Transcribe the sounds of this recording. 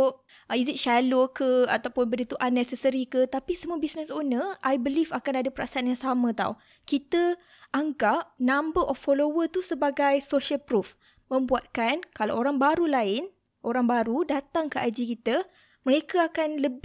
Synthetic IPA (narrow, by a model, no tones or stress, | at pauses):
izit̚ʃalokəa̰t̪awpʊnbədit̪uʔanɛsɛsəɾikət̪apisəmuəbisnɛsonəʔajbəlifakanadapəɾʔasaanjaŋsamə̃t̪a̰w | kit̪ə | ʔaŋɡap̚nãmbəʔɔfːolowət̪usəbaɡajsoʃəlpɾuf | mə̃mbuat̪̚kankala̰woɾaŋbaɾulaɪn | ʔoɾaŋbaɾudat̪aŋkəʔajd͡ʒikit̪ə | məɾekaakanləb